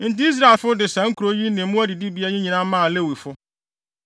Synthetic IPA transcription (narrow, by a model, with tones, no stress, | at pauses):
n̩˨tɪ˦i˦s̬ɾa˦e˨lfʊ˦dɪ˨sã˨˦ŋ̩˦kʰu˨ɾo˦ji˦nɪ̃˨˦mʊ̃˦æ˦di˨di˦bi˨˦a˦ɲɪ̃˦ɲĩ˨nã˦mã˦˨le˦˨wi˨fʊ˦